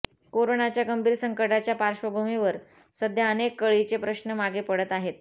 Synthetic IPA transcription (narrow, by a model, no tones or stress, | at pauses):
koɾoɳat͡ɕjaɡəmbʱiːɾsəŋkəʈat͡ɕjapaɾɕʋəbʱumiʋəɾ | səd̪ʱjəənekːəɭit͡sepɾəɕnəmaɡepəɽət̪aɦet̪